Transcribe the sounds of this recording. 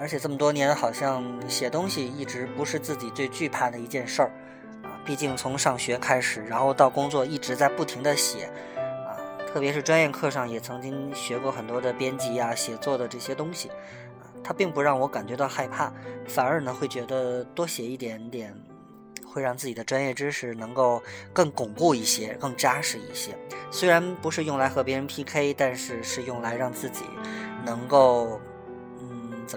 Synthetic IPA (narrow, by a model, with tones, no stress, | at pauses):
ə˧˥t͡ɕʰɛ˨˩ʈ͡ʂɤ˥˩mə˩t̪wɔ˥njɛ˧˥nxɑ˨˩ʊɕjɑ˥˧ŋɕjɛ˨˩t̪ʊ˥ŋɕi˨i˥˩ʈ͡ʂɻ̩˧˥pu˧˥ʂɻ̩˥˧t͡sɹ̩˥˩t͡ɕi˨˩t͡swe˥˧ɪt͡ɕy˥˧pʰa˥˩d̪ə˩i˧˥t͡ɕjɛ˥˧nʂə˥˩ | ə˧pi˥˧t͡ɕi˥˩ŋt͡sʰʊ˧˥ŋʂɑ˥˩ŋɕɥɛ˧˥kʰa˥ɪʂɻ̩˨˩ɻa˧˥nxo˥˧ʊt̪ɑ˥˩ʊkʊ˥ŋt͡swɔ˥˧i˥˩ʈ͡ʂɻ̩˧˥t͡sa˥˧ɪpu˥˩t̪ʰi˧˥ŋd̪ə˧ɕjɛ̰˨˩˦ | ɐ̰˧t̪ʰɤ˥˩pjɛ˧˥ʂɻ̩˥˩ʈ͡ʂwa˥njɛ˥˧nkʰɤ˥˧ʂɑ˥˩ŋjɛ˨˩t͡sʰɤ˧˥ŋt͡ɕi˥ŋɕɥɛ˧˥kwɔ˥˩xə˨˩nt̪wɔ˥d̪ə˨pjɛ˥nt͡ɕi˧˥a˧ɕjɛ˨˩t͡swɔ˥˩d̪ə˩ʈ͡ʂɤ˥˩ɕjɛ˥t̪ʊ˥ŋɕḭ˨˩ | ə˧t̪ʰa˥pi˥˩ŋpu˧˥ɻɑ˥˩ŋwɔ˧˥ka˨˩nt͡ɕɥɛ˧˥t̪ɑ˥˧ʊxa˥˧ɪpʰa˥˩fa˨˩nə˞˧˥nə˧xwe˥˩ɪt͡ɕɥɛ˧˥d̪ə˧t̪wɔ˥ɕjɛ˨˩i˥˩t̪jɛ˧˥nt̪jɛ˨˩˦n | xwe˥˧ɪɻɑ˥˧ŋt͡sɹ̩˥˩t͡ɕi˨˩d̪ə˦ʈ͡ʂwa˥njɛ˥˩ʈ͡ʂɻ̩˥ʂɻ̩˧˥˩nɤ˧˥ŋko˥˧ʊkɤ˥˩ŋkʊ˨˩ŋku˥˧i˥˩ɕjɛ˥kɤ˥˩ŋt͡ɕja˥ʂɻ̩˥˧˩i˥˩ɕjɛ̰˥swe˥ɪɻa˧˥npu˧˥ʂɻ̩˥˧jʊ˥˩ŋla˧˥ɪxɤ˧˥pjɛ˧˥ɻə˧˥npʰi˥kʰe˥ɪt̪a˥˧nʂɻ̩˥˧ʂɻ̩˥˧jʊ˥˩ŋla˧˥ɪɻɑ˥˧ŋt͡sɹ̩˥˩t͡ɕḭ˨˩˦nɤ˧˥ŋko˥˩ʊ | n̩˥˩t͡sə˨˩